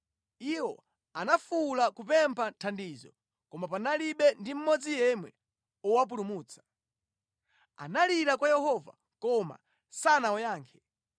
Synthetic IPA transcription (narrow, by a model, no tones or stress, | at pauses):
iwɔ | anafulakupɛmpʰantʰandiːzɔ | kɔmapanaliɓɛndim̩mɔd͡zijɛmwɛ̰ | ɔwap̬ulumuːt͡sʰḁ | a̰naliɾakwajɛhɔva̰ | kɔma̰ | sanaɔjaːŋkʰɛ̥